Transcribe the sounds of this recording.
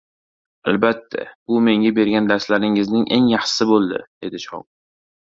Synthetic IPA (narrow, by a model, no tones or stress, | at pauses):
a̰lbat̪ʰːa̰b̥ʊme̞ŋʲabe̞ɾɡʲand̪aɾslaɾɪŋɪznɪŋʔe̞ŋjɑχʃɪ̥sɪbolˠd̪ɪ̰d̪̥e̞d̪ɪʃɒ̰m